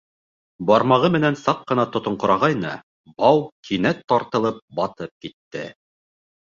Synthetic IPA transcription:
bɑɾmɑʁɤmɘ̆nænsɑq̚qɤ̆nɑt̪ŏt̪ŏɴqŏɾɑʁɑjnɤ̰ | bɑwkʰinæt̪ːɑɾt̪ɤ̆lˠɤp̚bɑt̪ɤp̚kit̪ːɘ̰

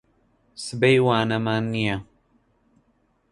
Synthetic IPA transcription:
sɨbejwaːnɐmaːnːija

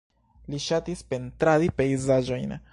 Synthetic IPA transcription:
liʃatispe̞ntɾaɾipe̞jzad͡ʒo̞jn

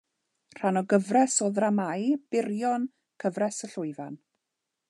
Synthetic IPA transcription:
r̥anɔɡəvrɛsoːðramajb̥ɪrjɔn | kʰəvrɛsəɬʊɨvan

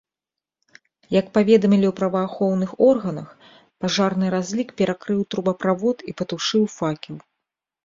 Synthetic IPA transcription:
jɐkpavʲɛd̪ɐmʲilʲiwpɾɐvɐːxɔwnɨxɔrɣɐnɐx | paʐarnɨɾazʲlʲikpʲɛɾakɾɨwt̪ɾubɐpɾavɔt̪ipɐt̪uʂɨwfakʲiw

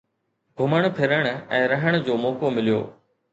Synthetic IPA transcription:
ɡʱʊməɽ̃̆pʰɪɾəɽ̃̆ɛ̃ːɾɐɦəɽ̃ə̆d͡ʑoːmoːkomɪlijo̰ː

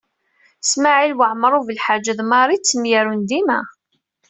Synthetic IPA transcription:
smaʕilwəʕmɾˤuvəlħad͡ʒəðmɑɾˤit͡sːəmjæɾund̪imæ̰

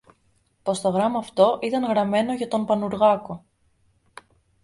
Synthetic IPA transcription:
po̞st̪o̞ɣɾɐmɐːft̪o̞ʔit̪ɐŋɣɾɐme̞no̞ʝɐt̪o̞mpɐnuɾɣɐko̞

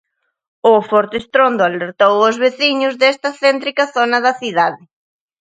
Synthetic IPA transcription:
ʊfɔɾt̪eːst̪ɾond̪ʊaleɾt̪owʊzβeθiɲʊzðɛst̪ɐθɛnt̪ɾikɐθonɐðɐθiðaðɪ

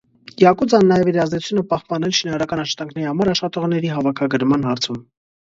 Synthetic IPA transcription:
jɑkud͡zɑnːɑjɛviɾɑzd̪ɛt͡sʰu̥t͡sʰunəpɑhpɑnɛlʃinɑɾɑɾɑkɑnɑʃχɑ̥t̪ɑŋkʰnɛɾihɑmɑɾɑʃχɑt̪ɔʁnɛɾiɦɑvɑkʰɑɡəɾmɑnɦɑɾt͡sʰum

